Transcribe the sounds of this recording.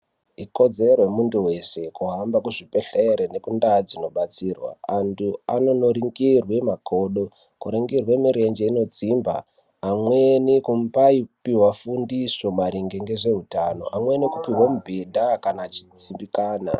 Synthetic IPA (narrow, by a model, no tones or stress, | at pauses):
iko̞d͡ze̞rwemunduwe̞se̞kuɦambakuʐipe̞ɬeɾene̞kundad͡zino̞ɓat͡siːrwa̰antuano̞noɾiŋɡirwemakʰo̞ɗo̞ | kuɾiŋɡirwe̞miɾe̞nd͡ʒeino̞t͡simba̰ː | mwe̞nikumpaipiwafundiso̞maɾiŋɡeŋɡe̞ʐe̞ɦutano̞̰ʔamwenikupiɦwamubʱedʱakanat͡ʃit͡simbikaːna̰